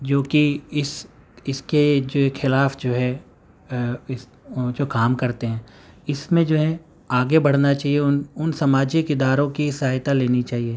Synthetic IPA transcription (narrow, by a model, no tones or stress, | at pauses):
d͡ʒoːkiɪs | ɪsked͡ʒoːxɪlaːfd͡ʒoːɦɛ | ɪs | d͡ʒoːkaːmkɐɾt̪eɦɛ̃ː | ɪsmẽd͡ʒoːɦɛ | aːɡebɐɽ̤nat͡ʃaːɦieʊnʊnsɐmaːd͡ʒɪkɪd̪aːɾõkisajt̪aleːnit͡ʃaːɦie